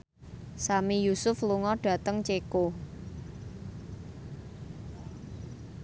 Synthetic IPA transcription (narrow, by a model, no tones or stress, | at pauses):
samijusʊfluŋɔɖ̥ä̤t̪əŋt͡ʃeko